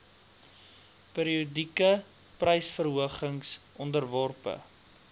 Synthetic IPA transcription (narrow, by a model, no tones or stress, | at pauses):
peːɾiudikə | prɐjsfərɦuəχəŋsʔɔndərvɔrpə̰